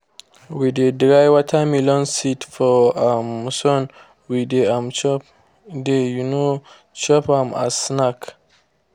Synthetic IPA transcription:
widedɾajwatʰamilɔ̃nsitfɔamsɔn | wideãmt͡ʃɔp | dejuno | t͡ʃɔpãma̰snak

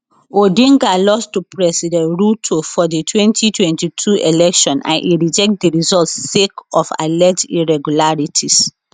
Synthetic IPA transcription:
odĩŋɡalɔstupɹɛsidɛ̃nɹutʰofɔdetʰwɛ̃ntʰitʰwɛ̃ntitʰuelɛkʃɔ̃nʔã̰nʔiɹid͡ʒɛk̚t̚diɹizɔltsekɔfa̰lɛtiɹɛɡulaɹitʰis

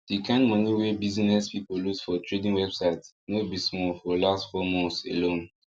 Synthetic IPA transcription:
d̥ikãnmʌ̃niwebizinɛspipolusfɔtʰɹedĩŋwɛbsaɪt | nobismɔfɔlastfɔmɔ̃nselõn

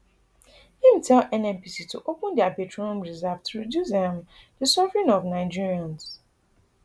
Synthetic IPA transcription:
hĩm̩tʰɛlɛnɛ̃mpisituʔopʊ̃ndɪapetɹonõmɹizɛvtɹodjus̬ɛ̃m | dəsɔvɹɪ̃nɔvnaɪd͡ʒiɹiãns

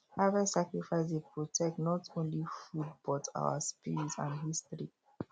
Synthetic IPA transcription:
avɛsakɹifaɪsdepɹɔtʰɛk̚tnɔtʰõnlifud̚b̥ɔta̰ʊa̰spiɹitsã̰nɦistɹi

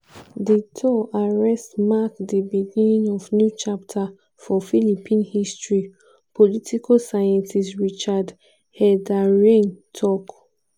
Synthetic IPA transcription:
ditʰɔaɹɛstmakdibiɡinĩŋɔvnjut͡ʃap̚tʰa | fɔfilipʰĩnhistɹi | pʰolitʰikʰosajãntisɹit͡ʃad | hɛdaɹẽntʰɔk

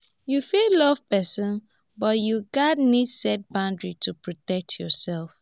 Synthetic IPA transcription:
jufillɔv̥pɛsɔ̃n | bɔtjuɡadnidsɛt̚bãʊ̃ndɹitʰupʰɹɔtɛk̚tʰjɔsɛlf

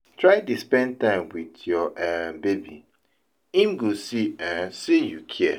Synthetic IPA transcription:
tʰɹaɪtuspɛ̃n̚tãɪ̃mwidjɔʔɛbebḭ | ĩmɡosiɛ̃sijukʰiɛ

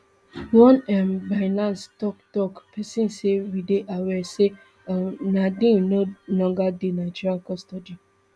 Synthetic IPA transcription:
wɔ̃nɛmbaɪnãnstɔktɔkpɛsĩnsewideʔawɛse | anadĩnonɔ̃ɡadenaɪd͡ʒiɾãnkɔstɔdi

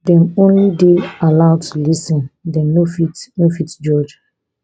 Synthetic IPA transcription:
dɛ̃nõnlidealaʊtʰulisɔ̃ndɛ̃nofitnofitd͡ʒɔd͡ʒ

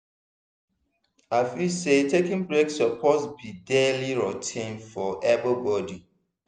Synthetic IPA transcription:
aɪfisetʰekĩnbɹeksɔpʰɔsbideliɹɔtʰẽnfɔʔɛvəbɔdi

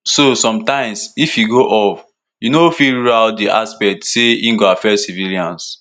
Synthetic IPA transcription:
sosɔ̃mtãɪ̃msifjuɡoʔɔf | junofiladiʔaspɛk̚tseĩŋɡoafɛsiviliãns

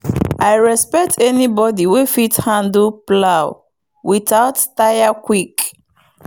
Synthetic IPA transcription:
ʔaɪɹɛspɛk̚tʰɛnibɔdiwefithãndplaʊ | wiθaʊttajakwik

